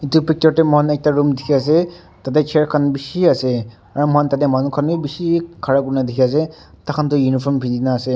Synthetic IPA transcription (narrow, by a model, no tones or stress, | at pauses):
itupik̚tɔɹtɛmanɛk̚taɹumdʱikʰiasɛ | tat̬ɛt͡ʃʰɛɹkʰanbisiasɛ | aɹumantat̬ɛmanukʰanujbisikʰaɹakuɹnadʱikʰias̬ɛ | takʰantujunipʰɔmpʰizinaːsɛ